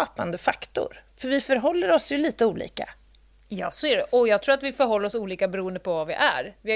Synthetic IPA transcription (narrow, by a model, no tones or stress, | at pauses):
ɑːpa̰nd̪əfakt̪ʊ̰ɾfœɾvɪfœɾɦɔlːəɾɔsjɵliːt̪əuːlḭːka̰ | jɑ̰ːsɔɛɾɔjɑːɡt̪ʰɾuːat̪vɪfœɾɦɔlːəɾɔsuːliːkabɛɾuːənd̪əpʰɔvavɪʔæ̰ɾvɪ